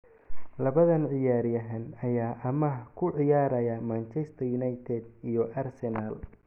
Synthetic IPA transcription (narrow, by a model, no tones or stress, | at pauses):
lɐβɐðɐnʕɪjaːɾjɐɦɐnɐjaːʔɐmɐkʰʊʕɪjaːɾɐjɐmaːnt͡ʃɛst̪ʰɐjunɐjt̪ʰɛd̪̚ijɔʔɐrsɛnal